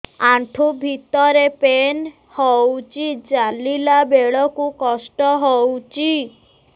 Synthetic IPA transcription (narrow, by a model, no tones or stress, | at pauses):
aɳʈʰubʱit̪ɔɾepen | howt͡ʃʰid͡ʒalilabeɭɔkukɔsʈɔɦowt͡ʃʰi